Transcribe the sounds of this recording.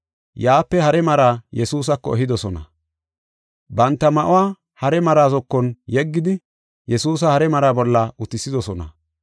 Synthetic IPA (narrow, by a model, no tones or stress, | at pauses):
jaːpːɛhɐɾɛmɐɾaːjɛsuːs̬ɐkːɔɛɦɪd̪ɔsɔnɐ̰ | bɐnt̪ːɐmɐʔʊwaː | hɐɾɛmɐɾaːzɔkːɔnjɛɡːɪd̪ɪ | jɛsuːs̬ɐhɐɾɛmɐɾaːbɔlːɐʔʊt̪ːɪsːɪd̪ɔsɔnɐ̰